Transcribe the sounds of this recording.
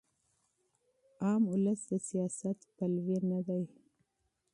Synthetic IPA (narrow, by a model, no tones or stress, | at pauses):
ɑmʊləsd̪əsijɑsat̪palwenad̪aj